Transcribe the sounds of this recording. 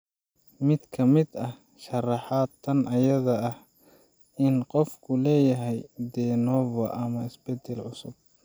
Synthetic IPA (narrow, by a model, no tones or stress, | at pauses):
mɪd̪kʰɐmɪd̪ɐh | ʃɐrɑħɑːd̪ʰɐnɐjɐðɐɐh | ɪnqɔfkʰʊlɛːjɐɦɛjd̪ɛnɔːvɐʔɐmɐɪsb̥ɛd̪ɛlʕʊsʊb̥̚